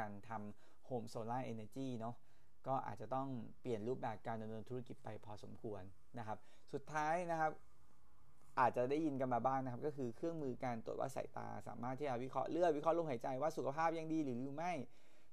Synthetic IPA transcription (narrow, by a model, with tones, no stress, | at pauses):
kaː˧nt̪ʰa˧m | hoː˧˩msoː˧laː˥˩ʔeː˧na˧t͡ɕiː˥˩nɔ˦˥ | kɔː˥˩ʔa̰ː˨˩t̪̚t͡ɕa˨˩t̪ɔ˥˩ŋ | pli˨˩ənɾuː˥˩p̚bɛː˨˩p̚kaː˧nda˧mnɤː˧nt̪ʰu˦˥a˥ki˨˩t̪̚pa˧jpʰɔː˧so̰˩˦mkʰu˧ənːa˦˥kʰa˦˥p̚ | su˨˩t̪ʰːaː˦˥jna˦˥kʰa˦˥p̚ | ʔaː˨˩t̪̚t͡ɕa˨˩daː˥˩jːi˧nka˧nmaː˧baː˥˩ŋn˦kʰa˦˥p̚kɔː˥˩kʰɯː˧kʰɯ˥˩əŋmɯː˧ka˧nt̪u˨˩t̪̚wa̰ː˥˩sa̰˨˩˦jt̪a̰ː˧sa̰ː˩˦maː˥˩t̪ʰiː˥˩t͡ɕa˧˩wi˦˥kʰɔ̰˦˥ʔlɯ˥˩ət̪wi˦˥kʰɔ˦˥lo˧˥˩mɦa˩˦jt͡ɕa˧jwaː˥˩su˨˩kʰa˧pʰaː˥˩p̚ja˧ŋdiː˧lɯː˩˦juː˨˩ma˥˩j